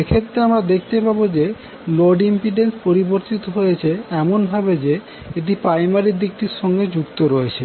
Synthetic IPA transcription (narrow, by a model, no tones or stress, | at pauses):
ekʰet̪ːɾeamɾad̪ek̚ʰt̪epabod͡ʑe | loɖimpiɖenspoɾiboɾt̪it̪oɦojet͡ɕʰeɛmonbʱabed͡ʑe | et̪̬ipɾajmaɾid̪ikʈiɾʃɔŋɡed͡ʑukt̪oɾɔet͡ɕʰe